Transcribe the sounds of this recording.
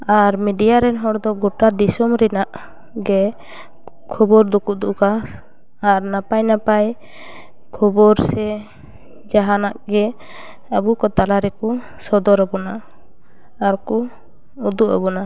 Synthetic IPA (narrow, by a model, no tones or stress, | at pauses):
aɾmiɖijaɾɛnɦɔɽd̪ɔɡɔʈad̪isɔmɾɛnaʔ | ɡɛ | kʰɔbɔɾd̪ukuʔd̪uʔka | aɾnapajnapaj | kʰɔbɔɾsɛ | d͡ʒaɦanaʔɡɛ | abukɔt̪alaɾɛkɔ | sɔd̪ɔɾabɔnaː | ɾkɔ | ud̪uʔa̰bɔna